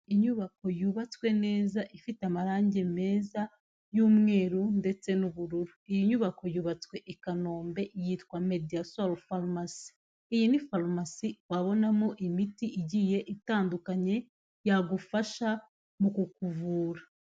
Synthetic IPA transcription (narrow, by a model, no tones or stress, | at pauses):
iɲuβako̞juːβat͡skwe̞ne̞ːzaʔifiteamaɾaːɲɟeme̞ːza | juːmŋe̞ːɾunde̞t͡se̞nuβuɾuɾuijiɲuːβako̞juːβat͡swe̞ʔikano̞ːmbe̞ʔjiːtkwame̞diasolfalmasi̥ː | jinifalmasiwaβo̞namoʔimitiʔiɟije̞ʔitaːndukaɲe̞ | jaɡufaʃa | mukukuvuːɾa